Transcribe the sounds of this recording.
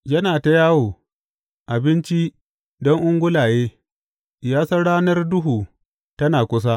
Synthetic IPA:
jɐ˦naː˨ta˦jaː˦woː˨ | ʔa˨bɪ˦nt͡ʃi˦ | dɔ˦ŋʔʊ˦ŋɡʷʊ˦laː˨jeː˦ | jaː˦sɐ˦ɽaː˦nɐ˦rdʊ˦ɦuː˨ | tɐ˦naː˨kʷʊ˦s̬a˦

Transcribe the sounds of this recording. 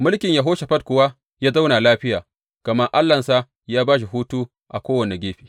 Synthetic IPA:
mʊ˦lkʲɪ˨ɲja˨ɦoː˦ʃe˨ɸɐ˦t̚kʷʊ˨wa˦ | jaː˦za˦wna˨laː˦ɸɪ˦jaː˨ | kɐ˨mɐ˦rʔa˦lːɐ˨nsa˦ | jaː˦baː˦ʃ̬i˨ɦuː˦tuː˦ | ʔa˨kʷoː˦wɐ˨ne˨ɡʲeː˦ɸi̥ː˨

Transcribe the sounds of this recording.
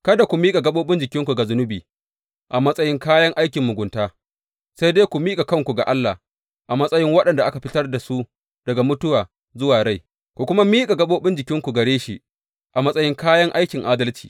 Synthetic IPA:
kɐ˦da˨kʷu˨miː˦kʼa˨ɡɐ˦ɓoː˦bɪ˦nd͡ʒɪ˨kʲɪ˦ŋkʷu˨ɡa˨zʊ˦nʊ˦biː˨ | ʔa˨mɐ˦sʼɐ˦jɪ˦ŋkaː˦jɐ˦ŋʔa˦jkʲɪ˨mːʊ˨ɡʷʊ˨ntaː˦ | sa˦jdeː˦kʷu˨miː˦kʼa˨kɐ˦ŋkʷu˨ɡa̰˨ʔa˦lːa˨h | ʔa˨mɐ˦sʼɐ˦jɪ˦ŋwɐ˦ɗɐ˨nda˨ʔa˦ka˨ɸɪ˦tɐ˦rda˨su˦ | d̥ɐ˨ɡa˨mʊ˦tʊ˦waː˨ | zʊ˦waː˨ɽa˦˨j | kʷu˨kʷʊ˦ma˦miː˦kʼa˨ɡɐ˦ɓoː˦ɓɪ˦nd͡ʒɪ˨kʲɪ˦ŋkʷu˨ɡɐ˨ɽeː˦ʃḭ˦ | ʔa˨mɐ˦sʼɐ˦jɪ˦ŋkaː˦jɐ˦ŋʔa˦jkʲɪ˨ŋʔaː˦dɐ˦lt͡ʃi̥̰ː˨

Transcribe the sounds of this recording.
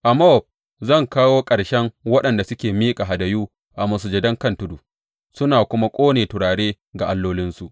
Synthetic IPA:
ʔa˨mɔ˦ɔ˨b̚ | zɐ˦˨ŋkaː˦woː˦kʼɐ˨ɽʃɛ˦ŋwɐ˦ɗɐ˨nda˨sʊ˦kʲeː˨miː˦kʼa˨ɦa˨dɐ˨juː˦ | ʔa˨mɐ˨s̬ʊ˨d͡ʒɐ˨dɐ˦ŋkɐ˦ntʊ˦du˨ | sʊ˦naː˨kʷʊ˦ma˦kʷʼoː˦neː˨tʊ˨ɽaː˨ɽeː˦ | ɡa˨ʔa˨lːoː˦lɪ˦nsu˨ʔ

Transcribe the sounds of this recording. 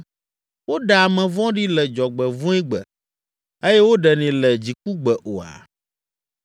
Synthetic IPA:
wo˦ɖa˨a˨mɛ̃˨vɔ̃˦ɖi˦lɛ˨d͡ʒɔ˨ɡ͡bɛ˨vũ˦i˦ɡ͡bɛ˨ | e˦jɛ˦wo˦ɖɛ˨nɛ̃˨lɛ˨d͡ʑi˨k̚u˦ɡ͡bɛ˨ʔo˨a̰˨

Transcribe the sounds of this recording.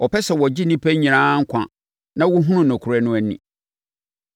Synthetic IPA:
ɔ˨pʰɛ˦ɕɛ˨wɔ˨d͡ʑi˦nĩ˦pʰæ˦ɲĩ˨nãː˦ŋ̩˦kʷʰã̰˨ | nã˦wʊ˦ɦʊ̃˦nʊ̃˦nʊ̃˨kʰʊ˨ɾɛ˦nʊ̃˦æ˨nḭ̃˨

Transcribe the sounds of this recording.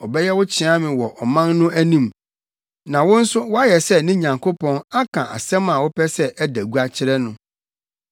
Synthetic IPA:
ɔ˨bɛ˦jɛ˦wʊ˦t͡ɕʰɪ˨˦a˦mɪ̃˨wɔ˨ʔɔ˨mã˦nːʊ̃˦æ˦nĩ˦m | nã˨wʊ̃˦n̩˦sʊ˦wɔ˦a˦jɛ˨sɛ˦nɪ̃˦ɲã˨ŋkʰo˦pʰɔ̃˦na˦kʰã˨ʔa̰˨sɛ̃˦mã˨wʊ˦pʰɛ˦sɛ˦ʔɛ˦dæ˨ɡu˦a˦t͡ɕʰɪ˦ɾɛ˦nʊ̃˨

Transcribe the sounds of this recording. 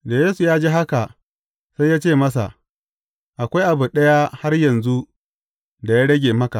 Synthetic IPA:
da˨jeː˦su˨jaː˦d͡ʒeː˦ɦa˦ka˨ | sa˦jːaː˦t͡ʃeː˦˨mɐ˦sa̰˨ʔ | ʔa˨kʷa˦jʔa˨bu˨ɗɐ˦ja˦ha˦rjɐ˨nzu˦ | da˨ja˦ɽɐ˦ɡʲeː˨mɐ˦ka˨ʔ

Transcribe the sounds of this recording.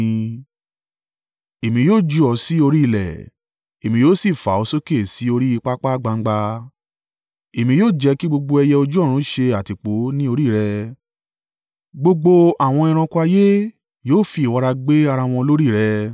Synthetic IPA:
e˨mĩ˧joː˦˨d͡ʒu˧˦ɔ˧si˨˦o˧ɾi˦i˧˨lɛ̰˨ | e˨mĩ˧joː˦si˦˨fa̰˨o˨˧so˦ke˦˨si˨˦o˧ɾi˦i˧k͡pa˦k͡pa˦ɡ͡ba˧ŋ̩˦ɡ͡ba˧ | e˨mĩ˧joː˦˨d͡ʒɛ˧˦ki˦ɡ͡bo˧ɡ͡bo˧ɛ˧jɛ˧o˧d͡ʒu˦ɔ˦˨ɾ̃ũ˨˦ʃe˧a˨ti˨k͡po˨˦nĩ˦o˧ɾi˦˨ɾɛ˧ | ɡ͡bo˧ɡ͡bo˧a˨w̃ɔ̃˧i˧ɾ̃ã˧ku˧a˧je˦ | joː˦˨fi˧i˨wɔ˨˧ɾa˧ɡ͡be˦a˧ɾa˧w̃ɔ̃˧lo˦ɾi˦˨ɾɛ˧

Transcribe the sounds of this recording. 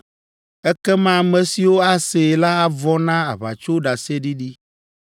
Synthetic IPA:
ɛ˦kɛ˦mã˦˨mɛ̃˨si˨wo˦a˦se˨la˦a˦vɔ˦nã˦a˨βa̰˨t͡ʃo˦ɖa˨se˦ɖi˦ɖi˦

